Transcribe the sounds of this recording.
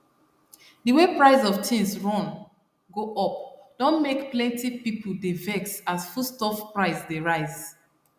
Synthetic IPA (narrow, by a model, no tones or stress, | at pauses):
dəwepɹaɪzɔvtʰĩnsɹɔ̃n | ɡoʔɔp̚d̥ɔ̃nmekplɛ̃ntipipl̩devɛksasfustɔfpɹaɪsdeɹaɪz